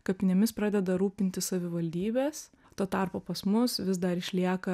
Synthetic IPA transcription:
kɐpʲɪnʲɛmʲɪspɾɑːd̪ʲɛd̪ɐɾuːpʲɪnʲt̪ʲɪssɐʋʲɪʋɐlʲd̪ʲiːbʲeːs | t̪oːt̪ɑɾpoːpɐsmʊsʋʲɪsd̪ɐɾɪʃʲlʲiɛkɐ

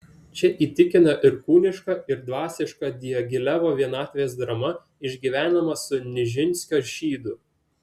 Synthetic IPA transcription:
t͡ʃʲɛʔiːt̪ʲɪkʲɪnɐʔɪɾkuːlʲɪʃkɑɪɾd̪ʋɑːsʲɪʃkɐd̪ʲɪjɛɡʲɪlʲæʋoːʋʲiɛnɑːt̪ʲʋʲeeːsd̪ɾɐmɐ | ɪʒʲɡʲiːʋʲæːnɐmɐsʊnʲɪʒʲɪnʲsʲkʲoːʒʲiːd̪ʊ

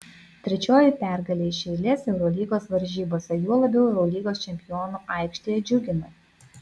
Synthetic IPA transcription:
t̪ʲɾʲɛt͡ʃʲoːjɪpʲæˑɾɡɐlʲeːʃʲɛɪlʲeːsɛʊɾoːlʲiːɡoːsʋɐɾʲʒʲiːboːsʲɛjuɔlˠɐbʲɛʊɛʊɾolʲiːɡoːst͡ʃʲɛmʲpʲɪjoːnuːɐˑɪkʃʲt̪ʲeːjɛd͡ʒʲʊɡʲɪnɐ

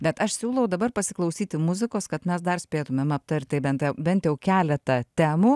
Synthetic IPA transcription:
bʲɛt̪ɐʃsʲuːlˠɐʊd̪ɐbɐrpɐsʲɪklˠɐʊsʲiːt̪ʲɪmʊzʲɪkoːskɐt̪mʲɛsd̪ɐrsʲpʲeːt̪ʊmʲɛmɐpt̪ɐɾʲt̪eɪbʲɛnt̪jɛʊbʲɛnt̪ʲjɛʊkʲæːlʲɛt̪ɐt̪ʲæːmuː

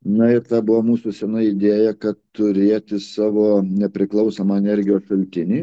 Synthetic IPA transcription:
nɐɪɾt̪ɑːbʊʋoːmuːsʊsʲɛnɐɪɪd̪ʲeːjɛkɐt̪tʊɾʲeːt̪ʲɪsɑːʋoːnʲɛpʲɾʲɪklˠɐʊsoːmɐɛnʲɛɾʲɡʲɪjoːsʃɐlʲt̪ʲɪnʲiː

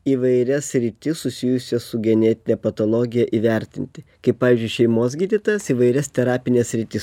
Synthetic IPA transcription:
iːʋɐɪɾʲɛsʲɾʲɪt̪ʲɪsʊsʲɪjʊsʲɛsʊɡʲɛnʲɛt̪ʲɪnʲɛpɐt̪oːlˠoɡʲɪjɛʔiːʋʲɛɾʲt̪ʲɪnʲt̪ʲɪkɐɪppːɑːʋʲiːzʲd͡ʒʲʊɪʃʲɛɪmoːs̬ɡʲiːd̪ʲit̪oːjɛsiːʋɐɪɾʲɛst̪ʲɛɾɑːpʲɪnʲeːssʲɾʲɪt̪ʲɪs

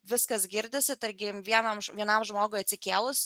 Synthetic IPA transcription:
ʋʲɪskɐsɡʲɪɾʲd̪ʲɪsʲɪt̪ɐɾʲɡʲɪʋʲiɛnɐmʒʋʲiɛnɐmʒmoːɡoɪjɐt̪ʲsʲɪkʲeːlˠʊs

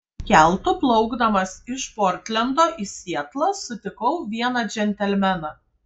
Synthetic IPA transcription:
kʲæˑlˠt̪ʊplˠɒʊɡd̪ɐmɐsɪʃpɔːɾʲt̪ʲlʲɛnd̪oːʔisʲiɛt̪lˠɐsʊt̪ʲɪkɐʊʋʲiɛnɑd͡ʒʲɛnʲt̪ʲɛlʲmʲɛnɑ

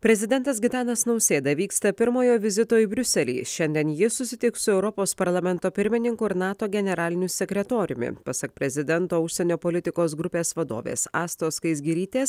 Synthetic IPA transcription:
pʲɾʲɛzʲɪd̪ʲɛnt̪ɐsɡʲɪt̪ɑːnɐsnɒʊsʲeːd̪ɐʋʲiːkst̪ɐpʲɪɾmoːjoːʋʲɪzʲɪt̪oːibʲɾʲʊsʲɛlʲḭːʃʲɛnʲd̪ʲiɛnjɪsʊsʲɪt̪ʲɪksʊɛʊɾɔpoːspɐɾlˠɐmʲɛnt̪oːpʲɪɾʲmʲɪnʲɪŋkʊɪɾnɑːt̪oːɡʲɛnʲɛɾɑːlʲɪnʲʊsʲɛkʲɾʲɛt̪oːɾʲʊ̰mʲɪ̰pɐsɐk̚pʲɾʲɛzʲɪd̪ʲɛnt̪oːʊʃʲsʲɛnʲoːpɔlʲɪt̪ʲɪkoːs̬ɡɾʊpʲeːsʋɐd̪o̰ːʋʲḛːsɑːst̪oːskɐɪs̬ɡʲɪɾʲiːt̪ʲeːs

